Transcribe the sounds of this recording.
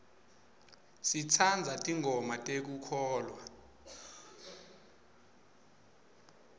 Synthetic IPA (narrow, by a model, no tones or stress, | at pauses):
sit͡sʰand͡zʱatʼiŋʱɔmatʼek̬ukʰɔːlwa